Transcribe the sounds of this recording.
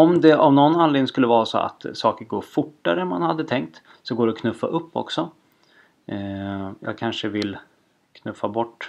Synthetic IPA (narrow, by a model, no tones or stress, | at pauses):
ɔmd̪ɛʔavnɔnːanleːɡnɪŋskɵlːəvɑːɾaso̰ːa̰t̪sɑːkəɾɡoːɾfʊʈːaɾəɛnmanhad̪ːət̪ʰɛŋk̚t̪ | sɔɡoːɖɛɔkʰnɵfːa̰ʔɵpːɔ̰ksɔ | jɑ̰ːɡ̚kʰanʂəvɪlː | kʰnɵfabɔʈː